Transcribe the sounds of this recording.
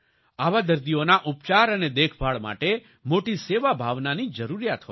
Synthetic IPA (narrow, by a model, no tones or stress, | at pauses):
aʋad̪əɾd̪ionaʔup̚t͡ʃaɾəned̪ekʰbʱaɭma̰ʈe | moʈiseʋabʱaʋnanid͡ʒəɾuɾijat̪ɦo